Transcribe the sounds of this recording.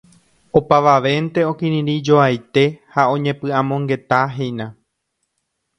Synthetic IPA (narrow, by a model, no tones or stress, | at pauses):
o̞paʋaʋe̞nt̪e̞õ̞kĩɾĩɾid͡ʒo̞ajt̪e̞haõ̞ɲẽpɨãmõ̞ŋɡe̞t̪aɦe̞jnã